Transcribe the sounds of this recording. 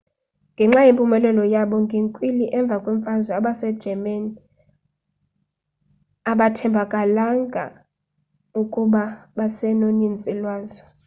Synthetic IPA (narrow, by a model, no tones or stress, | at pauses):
ŋɡʱɛŋ͡ǁajempʼumɛlɛlɔjaɓɔŋɡʱeŋkʼwiliʔɛɱb̪vʱakʼwɛɱfazwɛaɓasɛ̥ʒ̥ʱɛmani | aɓatʰɛmbʱakʼalaŋɡʱa̰ | ukʼuɓaɓasɛnonint͡sʼɛlwaːzɔ